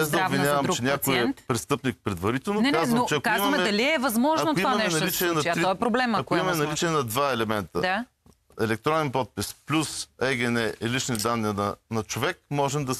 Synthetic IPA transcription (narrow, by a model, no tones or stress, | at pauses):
ɛzd̪ɐʊbvinʲjavɐmɾt͡ʃɛnʲakojɛt̪pɾɛst̪ɤpnik̚pɾɛd̪vɐɾit̪ɛlˠnokazvət͡ʃɛɐkkzimɐmɛɛd̪ɐliɛvɐzmɔʒɐnoʊimaɐnɛnɐlit͡ʃɛɛnɐt̪ɾɔɛpɾoblɛmɐkoimɐmɛnɐlit͡ʃɛɛnɐd̪vaɛlɛmɛnt̪ə̰d̪a | ɛlɛk̚t̪ɾɔnɛnpɔt̪̚pisplʲusɛɡʲɛnɛʔilit͡ʃnid̪anːinɐnɐt͡ʃovɛkmɔʒɛmd̪ɐs